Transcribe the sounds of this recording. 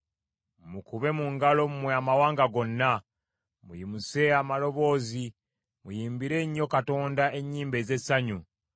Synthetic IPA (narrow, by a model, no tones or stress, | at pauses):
mukuβe̞muŋɡalo̞mumweamawaːŋɡaɡo̞nːa | mujimuse̞amalo̞βo̞ːzi | mujiːmbiɾe̞ɲːo̞kato̞ːndae̞ɲːiːmbe̞ːze̞saɲu